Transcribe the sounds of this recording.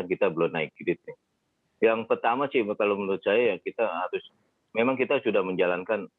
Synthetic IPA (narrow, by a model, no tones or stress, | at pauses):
ankit̪abəlonaɪk̚ɡidɪt̪̚nɪ | jaŋpərt̪amasɪkalomənɾʊt̪̚sajajakit̪aɦaɾʊs | memaŋkit̪asudahməɲd͡ʒalankan